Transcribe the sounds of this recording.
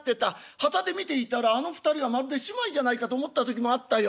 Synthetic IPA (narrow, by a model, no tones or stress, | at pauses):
t̪ːe̞t̪a | hat̪ad̪e̞mʲit̪e̞it̪aɾaːno̞ɸɯ̟̥t̪aɾʲiβamaɾɯ̟d̪e̞ɕimaid͡ʑanaikat̪o̞ːmo̞t̪ːat̪o̞kʲimo̞at̪ːajo